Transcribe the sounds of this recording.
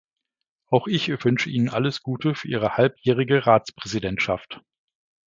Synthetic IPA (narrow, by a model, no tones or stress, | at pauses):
ʔaʊxʔɪçvʏnʃəʔiːnənʔaləsɡ̥uːtəfyːɐʔiːʁ̞əhalpjɛːʁ̞ɪɡəʁaːt͡spʁ̥ɛzidɛntʃaft